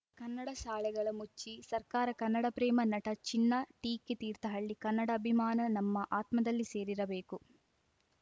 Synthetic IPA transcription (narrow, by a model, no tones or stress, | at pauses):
kɐnːɐɽɐʃaːɭɛɡɐɭɐmut͡ʃːisɐɾkaːɾɐkɐnːɐɽɐpɾɛːmɐnɐʈɐt͡ʃinːɐʈiːkːet̪iːɾt̪ɐɦɐɭːikɐnːɐɽɐːbʱimaːnɐnɐmːɐʔaːt̪mɐd̪ɐlːise̞ːɾiɾɐbeːku